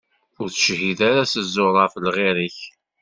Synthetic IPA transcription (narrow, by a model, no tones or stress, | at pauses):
ʊɾθəʃɦiðæɾasəzːʊɾˤɑfəlʁeɾiç